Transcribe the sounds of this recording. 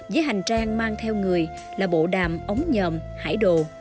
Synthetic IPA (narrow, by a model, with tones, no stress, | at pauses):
vəː˨˦jɦa˨˩jŋ̟t͡ɕaː˧ŋmaː˧ŋt̪ʰɛ˧wŋɨ˨˩əj | laː˨˩ɓo̰˧˨ɗaː˨˩mʔə˨˦wŋ͡mɲəː˨˩mha̰ː˧˩jɗo̰˧˨